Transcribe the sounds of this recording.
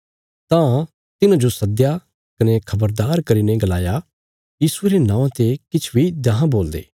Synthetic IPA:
t̪ã | t̪ɪnãd͡ʒosɐd̪ja | kɐnekʰɐbəɾd̪aːɾkɐɾiːneɡɐlaːja | jiːsueɾenãːãt̪ekɪt͡ʃʰbʱid̪ãɦãboːld̪ḛː

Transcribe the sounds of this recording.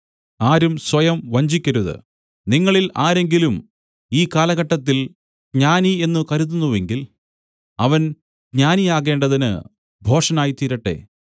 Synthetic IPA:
aːɾumswɐjɐmʋɐɲd͡ʑikʲːɐɾuðɨ̰ | niŋːɐɭilaːɾe̞ŋɡilum | iːkaːlɐɣɐʈːɐt̪ːil | ɡɲaːnie̞nːɨkɐɾuð̬unːuʋe̞ŋɡil | ɐʋɐn | ɡɲaːnijaːɣe̞ːɳɖɐðinɨ̰ | bʱo̞ːʂɐnaːjit̪iːɾɐʈːe̞̰

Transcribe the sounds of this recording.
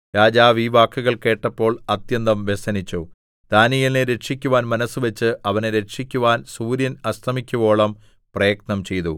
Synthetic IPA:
ɾaːd͡ʑaːʋiːʋaːkʰːuɣɐɭke̞ːʈːɐpːo̞ːɭɐt̪jɐnd̪ɐmʋesɐnit͡ɕːu | d̪̥aːnijɐlneɾe̞ʈʂikʲːuʋaːnmɐnɐsuʋɐt͡ɕːɨʔɐʋɐneɾe̞ʈʂikʲːuʋaːnsuːɾjɐnɐst̪ʰɐmikʲːuʋo̞ːɭɐm | prɐjɐk̚nɐmt͡ɕe̞jt̪u

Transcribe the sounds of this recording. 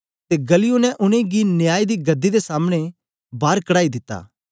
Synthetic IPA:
t̪eɡɐlɪjunɛ̃ʔʊñẽɡinɪjaːid̪iɡɐd̪ːid̪esaːməɽ̃e | baːɾkɐɽaːid̪ɪt̪ːa̰ː

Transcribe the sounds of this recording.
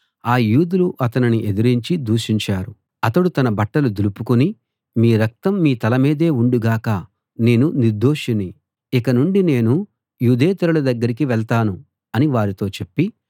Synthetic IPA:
aːjuːd̪uluʔɐt̪ɐniniʔe̞d̪iɾiɲt͡ʃid̪uːʂiɲt͡ʃaːɾu | ɐt̪ɐɽut̪ɐnɐbɐʈːɐlud̪ilupukuni | miːɾɐk̚t̪ɐmːiːt̪ɐlɐmiːd̪e̞ːuɳɖuɡaːkɐ | ne̞ːnuniɾd̪ʱo̞ːʂini | ikɐnuɳɖine̞ːnu | juːd̪eːt̪iɾɐlɐd̪ɐɡːɐɾikiʋɛɭt̪aːnu | ɐniʋaːɾit̪o̞ːt͡ʃe̞pːi

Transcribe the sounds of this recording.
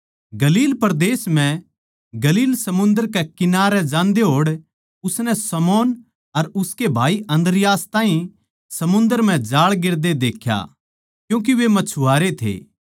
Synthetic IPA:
ɡɐliːlpɐɾd̪eːsm̤ɛ̃ | ɡɐliːlsɐmʊ̃nd̪əɾkɛkɪnaːɾɛd͡ʒãːnd̪eɦoːɽ | ʊsnɛsɐmɔːn | ɐɾʊskebʱaːiʔɐ̃nd̪əɾɪjaːst̪ãːĩ | sɐmʊ̃nd̪əɾm̤ɛ̃d͡ʒaːɭɡɪɾd̪ed̪eːkʰja̰ | kjũːk̬iʋemɐt͡ʃʰuaːɾet̪ʰḛː

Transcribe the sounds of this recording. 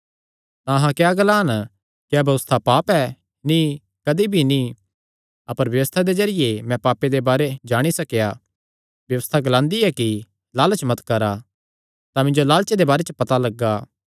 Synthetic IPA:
t̪ãɐɦãkjaːɡəlaːn | kjaːbɐʋəst̪ʰapaːpɛ | nĩ | kɐd̪ibʱini | ɐpəɾʋjɐʋəst̪ʰad̪ezɐɾɪjemɛ̃paːpːed̪ebaːɾed͡ʒaːɽ̃isɐkja | bjɐʋəst̪ʰaɡlãːnd̪iɛki | laːlət͡ʃmɐt̪kɐɾa | t̪ãmɪ̃ɲd͡ʒolaːlt͡ʃed̪ebaːɾet͡ʃəpɐt̪alɐɡːaː

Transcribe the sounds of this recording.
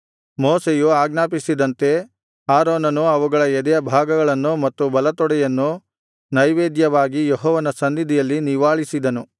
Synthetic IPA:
moːsejuaːɡnaːpisid̪ɐnt̪e̞ | aːɾoːnɐnuɐʋuɡɐɭɐɛd̪ɛjɐbʱaːɡɐɡɐɭɐnːumɐt̪ːubɐlɐt̪ɔɽɛjɐnːu | nɐjʋeːd̪jɐʋaːɡijeɦɔːʋɐnɐsɐnd̪id̪ijɐlːiniʋaːɭisid̪ɐnu

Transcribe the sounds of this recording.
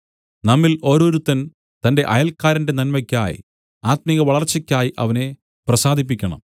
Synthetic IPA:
nɐmːilo̞ːɾoːɾut̪ːɐn | t̪ɐnde̞ʔɐjɐlkːaːɾɐndenɐnmɐkʲːaːjḭ | aːt̪̚miɣɐʋɐɭɐrt͡ɕːɐkʲːaːjiʔɐ̰ʋɐne̞ | prɐsaːd̪ʱip̬ːikʲːɐɳɐ̰m

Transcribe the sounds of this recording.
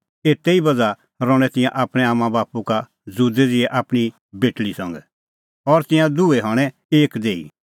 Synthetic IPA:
eːt̪eibɐd͡za | ɾɔ̃ɽ̃ɛ̃t̪ɪ̃jãʔaːpɽ̃ɛaːmãbaːpuka | d͡zuːd̪ɛd͡zɪɛʔaːpɽ̃i | beːʈlisɐ̃ŋɡɛ̰ | ɔɾt̪ɪ̃jãd̪uɛɦɐɽ̃ɛ̃ | eːkd̪eːḭ

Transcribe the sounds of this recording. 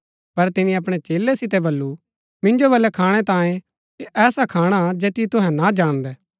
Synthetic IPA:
pɐɾt̪ɪnĩɐp̬ɽ̃et͡ʃeːlɛsɪt̪̬ɛbɐlːu | mɪ̃nd͡ʒoβɐlːɛkʰaːɽ̃ɛt̪ãːẽ | eʔɛːsakʰaːɽ̃ad͡ʒeːt̪it̪ʊɦɛ̃nad͡ʒaːɽ̃d̪ɛː

